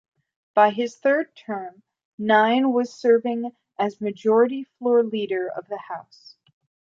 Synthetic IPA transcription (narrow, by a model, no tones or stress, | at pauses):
b̥aɪɪz̥θɜ˞d̚tʰɜ̃˞m | nãɪ̃nwʌz̥sɜ˞vɪ̃ŋ | ʔɨzmɨd͡ʒɔɹɨɾiflɔɹliɾə˞ʌ̰vðɨhaʊs